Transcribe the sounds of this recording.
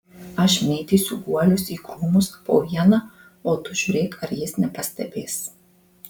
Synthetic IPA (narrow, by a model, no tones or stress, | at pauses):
ɐʃmʲeːt̪ʲisʊɡuɔlʲʊsiɡɾuːmʊsɐpo̰ːʋjɛnɐ | oːt̪ʊʒ̥uɾʲeːkʰɐɾjesnʲɛpɐsʲt̪ʲɛbʲeːs